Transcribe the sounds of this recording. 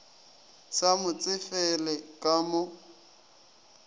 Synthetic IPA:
samʊt͡sʼɪfɛlɛkʼamʊ

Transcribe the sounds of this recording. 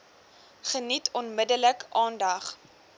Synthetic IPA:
χənitʰɔnmədələkʔɑːndɐχ

